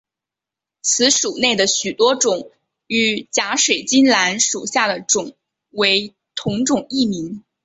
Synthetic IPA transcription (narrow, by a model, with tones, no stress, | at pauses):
t͡sʰɹ̩˧˥ʂu˨˩ne˥˩ɪd̪ə˩ɕy˨˩t̪wɔ˥ʈ͡ʂʊ˨˩˦ŋ | y˨˩t͡ɕja˧˥ʂwe˨˩ɪt͡ɕi˥nla˧˥nʂu˨˩ɕja˥˩d̪ə˩ʈ͡ʂʊ˨˩˦ŋ | we˧˥ɪ | t̪ʰʊ˧˥ŋʈ͡ʂʊ˨˩ŋi˥˩mi˧˥n